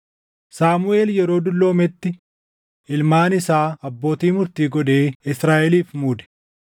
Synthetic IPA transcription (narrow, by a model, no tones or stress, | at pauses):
saːmʊʔe̞ːljɛɾo̞ːd̪ʊlːo̞ːmɛt̪ːɪ | ɪlmaːnɪsaːɐbːo̞ːt̪iːmʊɾt̪iːɡɔᶑ̪e̞ːɪsɾaːʔɛliːfmuːd̪ɛ̥